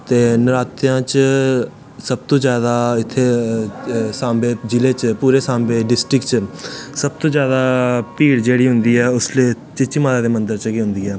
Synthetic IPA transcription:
t̪eːnɪɾaːt̪ɪjãːt͡ʃ | səb̚t̪õːzjaːd̪aːɪt̪ʰːeː | sãːmbeːd͡ʒɪleːt͡ʃpuːɾeːsãːmbeːɖɪsʈɾɪkt͡ʃsəb̚t̪õːzjaːd̪aːpiːɽd͡ʒeːɽiːɦʊnd̪iːɛːʊsleː | t͡ʃɪt͡ʃimaːɾaːd̪eːmə̃nd̪əɾt͡ʃəkeːɦʊ̃nd̪iːɛː

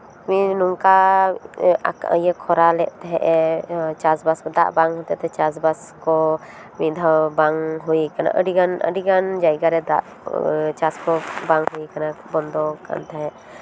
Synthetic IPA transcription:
minuŋka | akaə̰jəkʰɔɾalɛʔt̪ɛɦɛʔɛt͡ʃasbasɔd̪a̰ʔbaŋɦɔ̃t̪ɛt̪ɛt͡ʃasbas | kɔ | mid̪ʱabaŋɦuikana̰ʔə̰ɖiɡanə̰ɖiɡand͡ʒajɡaɾɛd̪a̰ʔ | t͡ʃaskɔbaŋɦuikanabɔnd̪ɔka̰nt̪aɦɛʔ

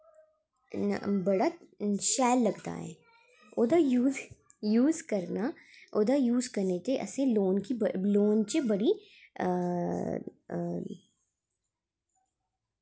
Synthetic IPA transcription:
bɐɽaʃɛːlːɐɡt̪a̰ɦɛ̰ː | oːd̪ajuːzjuːzkɐɾnaoːd̪ajuːzkɐɾnet̪eʔɐ̰sẽloːnkibloːnt͡ʃebɐɽi

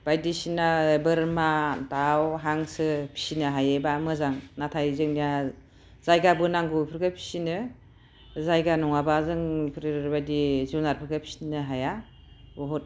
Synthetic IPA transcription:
b̥ajdisinabɯɾmatawɦaŋsɯpʰi̥sinɯɦajebamɯzaŋnatʰajzɯŋnija | z̥ajɡabɯnaŋɡɔjpʰɯɾɡɯpʰi̥sinɯ | zajɡanɔŋabazɯŋpʰɾbajdizuwnaɾpʰɯɾɡɯpʰi̥sinɯɦaja | bɔɦɔt̚

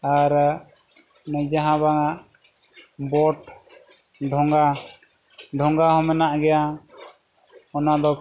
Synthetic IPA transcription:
aɾ | nəd͡ʒaɦãbaŋaʔ | bɔʈ | ɖʱɔŋɡa | ɖʱɔŋɡahɔ̃mɛnaʔɡɛja | ɔnaʔd̪ɔ

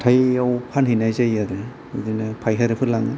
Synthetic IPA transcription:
tʰajawpʰanɦinajzajaɾe | ɯdinapʰajɦaɾɯpʰɯlaŋɯ

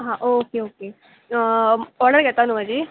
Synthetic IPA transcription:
ɦãʔokeoke | ɔɾɖəɾɡeɾt̪anubad͡ʒiː

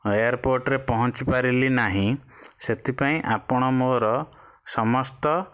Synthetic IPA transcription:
ejaɾpoɾʈɾepɔɦɔ̃t͡ʃipaɾilinaɦĩ | set̪ʰipaĩʔapɔɽ̃ɔmoɾɔ | sɔmɔst̪ɔ

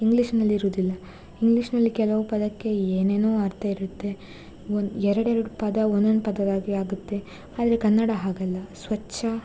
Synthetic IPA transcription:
iŋɡliʂnɐlːiɾuːd̪ilːɐ | iŋɡliʂnɐlːikɛlɐʋupɐd̪ɐkːe̞eːne̞ːnoːɐɾt̪ʰɐiɾut̪ːe̞ | onɛɾɐɽɛɾɐɽupɐd̪ɐond̪onːupɐd̪ɐd̪aːɡiaːɡut̪ːe̞ | aːd̪ɐɾekɐnːɐɽɐɦaːɡɐlːɐsʋɐt͡ʃːɐ

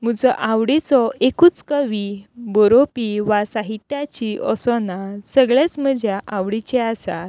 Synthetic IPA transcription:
m̤ud͡zɔʔãʋɽit͡sɔekuːt͡skəʋibɔɾopiʋasaɦit̪jat͡ɕiʔɔsɔnasəɡɭjat͡sm̤əd͡ʑjaʔawʋɽit͡ɕɛasa

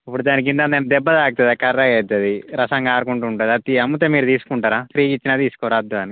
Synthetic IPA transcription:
ɐpːuɽud̪aːnik̬ind̪and̪ɐːnɐd̪ɛbːɐd̪aːk̚t̪ɐd̪akɐrːɐɡɐd͡ʒ̪ːɐd̪iɾɐsɐŋɡaːɾukuɳʈuːɳʈaːd̪iɐt̪iɐmːut̪eːmiːɾut̪iːsu̥kuɳʈaːɾaːsɾiːɡit͡ʃːinaːt̪iːsu̥kɔʋɾaːd̪ːuaːni

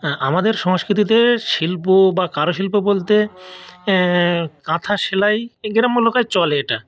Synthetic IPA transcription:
amad̪eɾʃɔŋʃkɾit̪it̪̬eʃilpobakaɾoʃilpobolt̪e | kãt̪ʰaʃelajɡiɾamːolokajt͡ɕɔleeʈa

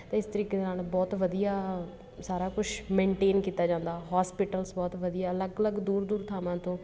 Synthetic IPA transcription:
t̪ẽːɪst̪əɾiːkeːd̪aːnbɔːt̪ʋəd̪ijaː | saːɾaːkʊt͡ʃʰmẽːɳʈeːnkiːt̪aːd͡ʒãːnd̪aːɦaːspɪʈəlsbɔːt̪ʋəd̪ijaːələɡələɡd̪uːɾd̪uːɾt̪ʰaːmãːt̪õː

